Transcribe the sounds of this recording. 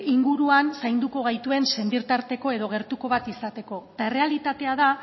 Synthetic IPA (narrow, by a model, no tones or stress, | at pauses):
iŋɡuɾuansajnd̪uko̞ɣajt̪ue̞nse̞nd̪iɾt̪aɾt̪e̞ko̞e̞ðo̞ɣe̞ɾt̪uko̞β̞at̪isat̪e̞ko̞t̪ae̞re̞alit̪at̪e̞að̞a